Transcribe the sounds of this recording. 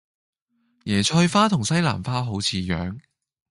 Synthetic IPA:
jɛː˨˩t͡ʃʰɔː˧jfaː˥t̪ʰʊ˨˩ŋsɐ˥jla̰ː˨˩mfaː˥ɦo˨˥wt͡sʰiː˨˧jœː˨˥ŋ

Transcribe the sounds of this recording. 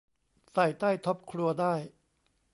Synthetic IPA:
sa˨˩jt̪aː˥˩jt̪ʰɔ˦˥p̚kʰɾu˧ɐdaː˥˩j

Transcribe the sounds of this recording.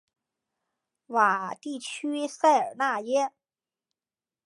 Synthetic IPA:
wa˨˩t̪i˥˩t͡ɕʰy˥sa˥˩ɪə̰˞˨˩na˥˩jɛ˥

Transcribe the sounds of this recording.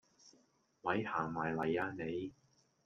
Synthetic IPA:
mɐ˨˧jhaː˨˩ŋmaː˨˩jlɐ˨˩jaː˧ne˨˧j

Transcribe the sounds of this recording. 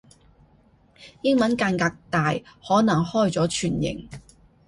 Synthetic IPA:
jɪ˥ŋmɐ˨˥nkaː˧nkaː˧k̚t̪aː˨jhɔː˨˥nɐ˨˩ŋhɔː˥˧jt͡sɔː˨˥t͡ʃʰyː˨˩njɪ̰˨˩ŋ

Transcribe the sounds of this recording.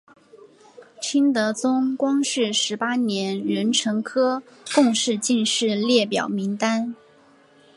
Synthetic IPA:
t͡ɕʰi˥nt̪ɤ˧˥t͡sʊ˥ŋkwɑ˥ŋʂɻ̩˥˩ʂɻ̩˧˥pa˥njɛ˧˥nɻə˧˥nʈ͡ʂʰɤ˧˥ŋkʰɤ˥ | kʊ˥˧ŋʂɻ̩˥˧t͡ɕi˥˧nʂɻ̩˥˧ljɛ˥˩pjɑ̰˨˩ʊmi˧˥ŋt̪a˥n

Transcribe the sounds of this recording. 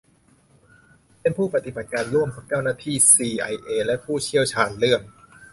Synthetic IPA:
pe˧npʰuː˥˩pɾa˧t̪i˨˩ba˨˩t̪̚kaː˧nlu˥˩əmkʰɔː˩˦ŋt͡ɕɛː˥˩wnaː˥˩t̪ʰiː˥˩siː˧ʔa˧jʔeː˧˩lɛ˦˥pʰuː˥˩t͡ɕʰi˥˩əwt͡ɕʰaː˧nlɯ˥˩əm

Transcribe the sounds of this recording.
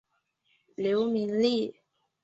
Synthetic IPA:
ljo˧˦ʊmi˨˧˥nli˥˩

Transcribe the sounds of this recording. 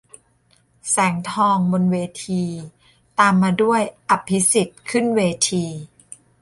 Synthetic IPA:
sɛː˩˦ŋt̪ʰɔː˧ŋbo˧nweː˧t̪ʰiː˧ | t̪aː˧mːaː˧du˥˩əjʔa˨˩pʰːi˦˥si˨˩t̪̚kʰɯ˥˩nweː˧t̪ʰiː˧

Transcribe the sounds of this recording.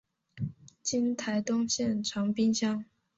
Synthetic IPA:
t͡ɕi˥nt̪ʰa˧˥ɪt̪ʊ˥ŋɕjɛ˥˩nʈ͡ʂʰɑ˧˥ŋpi˥nɕjɑ˥ŋ

